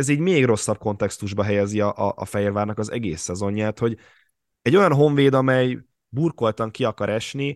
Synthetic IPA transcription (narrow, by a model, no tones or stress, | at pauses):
ɛziːɟmeːɡro̞sːɒb̚ko̞n̪t̪ɛkst̪uʒbɒɦɛjɛziɒʔɒʔːfɛɦeːrvaːrnɒkɒzɛ̰ɡḛːsːɛzo̞ɲːaːt̪ho̞ɟ | ɛɟːo̞jɒnɦo̞ɱveːd̪ɒmɛj | burko̞lt̪ɒŋkiɒkɒɾʔɛʃni